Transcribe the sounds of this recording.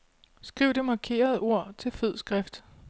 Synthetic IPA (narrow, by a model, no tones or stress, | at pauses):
sɡ̥ʁiʊ̰d̥emɑ̈kʰe̝̰ːɐð̩ˠo̝ɐ̰t͡sʰe̝lføð̰ˠsɡ̥ʁɛfd̥